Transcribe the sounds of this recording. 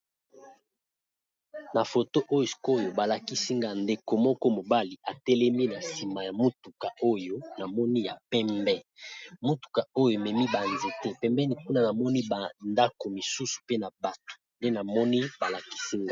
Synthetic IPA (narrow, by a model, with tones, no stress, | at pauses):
na˨fo˨to˦ʔo˦jo˨ko˦jo˨ba˨la˨ki˦si˦ŋɡa˦nde˨ko˨mɔ˦kɔ˦mo˨ba˦li˨ʔa˨tɛ˦lɛ˦mi˦na˨si˨ma˨ja˨mo˦tu˨ka˨o˦jo˦na˨mɔ˦ni˦ja˨pɛ˦mbɛ˦mo˦tu̥˨ka˨o˦jo˨e˨mɛ˨mi˦ba˨nzi˨tɛ˦pɛ˦mbɛ˦ni˨ku˦na˦˨na˨mɔ˦ni˦ba˨nda˦ko˨mi˨su˦su̥˨pe˦na˨ba˨to̥˨nde˦na˨mɔ˦ni˦ba˨la˨ki̥˦si˦ŋɡa˨